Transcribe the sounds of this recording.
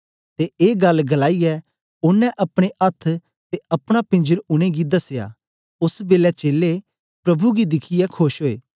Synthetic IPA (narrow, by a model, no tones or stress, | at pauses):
t̪eʔeːɡɐlɡɐlaːiɛ | ʊnːɛ̃ʔɐpɽ̃eʔɐt̪ʰ | t̪eɐpɽ̃apɪ̃nd͡ʒəɾʊɽ̃eɡid̪ɐsja̰ː | ʊsbeːlɛt͡ʃeːle | pɾɐbʱuɡid̪ɪkʰɪjɛkʰoʃɦoːeː